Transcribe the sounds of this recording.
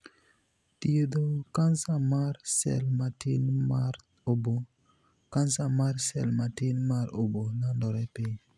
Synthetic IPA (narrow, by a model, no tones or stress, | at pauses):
tijedokansamaɾsɛ̰lmatinmaɾ | obo | kansamaɾsɛ̰lmatinmaɾobonandɔɾɛpe